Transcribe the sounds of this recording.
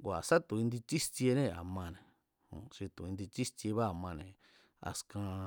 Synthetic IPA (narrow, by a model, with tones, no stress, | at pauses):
ɡʷa˨sa˦t̪ũ˨ĩ˧nd̪i˧t͡ʃi˦sti˧e˧nẽ˧a̰˨mã˧nẽ˨ | hṵ̃˨ʃi˧t̪ũ˨ĩ˧nd̪i˧t͡ʃi˦st̪i˧e˧βa˦a˨mã˧nẽ˨ | a̰˧skã˧